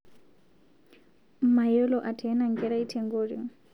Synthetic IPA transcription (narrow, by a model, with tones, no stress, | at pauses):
majɔ˦lɔʔa˨tʰɛ˦naŋɡɛɾa˦i˦tʰɛŋɡoɾḭ˨ŋ